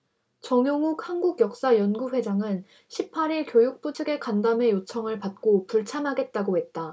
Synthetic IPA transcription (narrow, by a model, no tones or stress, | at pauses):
t͡ɕʌŋjʌŋuk̚hanɡuɡjʌk̚s͈ajʌnɡuɸwe̞d͡ʑaŋɯn | ɕʰipʰaɾiɭkjojuk̚t͈ot͡ɕʰɯɡe̞kandame̞jot͡ɕʰʌŋɯɭpat̚k͈opuɭt͡ɕʰamɦaɡe̞t̚t͈aɡohe̞t̚t͈a